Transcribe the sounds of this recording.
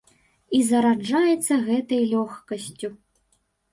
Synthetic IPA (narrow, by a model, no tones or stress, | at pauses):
izɐɾad͡ʐajɛt̪sːɐɣɛt̪ɐjlʲɔxkɐsʲt͡sʲu